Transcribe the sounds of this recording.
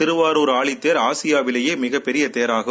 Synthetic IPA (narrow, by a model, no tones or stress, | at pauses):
ɪɾɯʋaːɾoːɾaːɭɪt̪ːeːɾaːsɪjaːʋɪlɐjeːmɪɣɐpːɛɾɪjɐt̪ejɐɾaːɣɯ